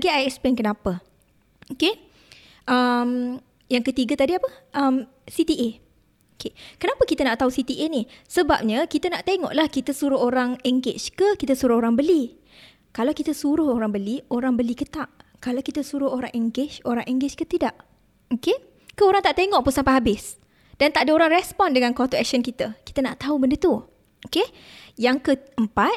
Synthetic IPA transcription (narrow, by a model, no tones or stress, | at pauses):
aɡiajɛksplenkənapə | oke | ʔəm | jaŋkət̪iɡat̪adiapəʔəm | sit̪iʔe | okekənapəkit̪anaʔt̪ausit̪iʔenihsəba̰p̚ɲakit̪ənaʔt̪eŋɔ̰ʔlahkit̪əsuɾʊɦoɾaŋɛŋɡet͡ʃkəkit̪əsuɾʊhoɾaŋbəli | kalawkit̪əsuɾʊhoɾaŋbəlioɾaŋbəlikət̪aʔkalawkit̪əsuɾʊhoɾa̰ŋʔɛŋɡet͡ʃoɾaŋʔɛŋɡet͡ʃkət̪idaʔ | oke | kəoɾaŋt̪aʔt̪eŋɔʔpʊnsampajɦabɪs | d̥ant̪aʔadəoɾaŋrɛspɔndəŋankɔat̪uɛk̚ʃənkit̪əki̥t̪ənaʔt̪aubəndət̪u | oke | jaŋkəəmpat̪̚